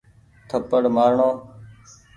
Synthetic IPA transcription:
t̪ʰəpəɽmaːɾɳoː

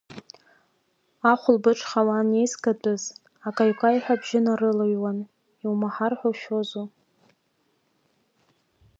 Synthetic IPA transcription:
aχʷʊlbɨʈ͡ʂʰχawane̞jzɡadʼɨz | akʼajkʷʰʼajħʷabʒɪnarɨlɨjwan | iwmaħarħʷaʃᶣozu

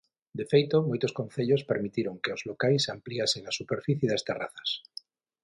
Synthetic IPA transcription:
d̪efejt̪omojt̪osko̞n̟θeʎospeɾmit̪iɾoŋkeozlokajsampliaseŋasupeɾfiθjeðast̪era̰θḁs

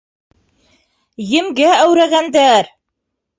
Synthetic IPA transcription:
jɘ̆mɡææwɾæɣænd̪æɾ

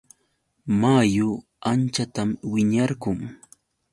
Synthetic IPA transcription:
majʊ | ant͡ʃat̪amwɪɲɑɾɢʊŋ

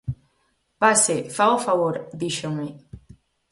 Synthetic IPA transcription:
pasefaofaβoɾd̪iʃoŋme

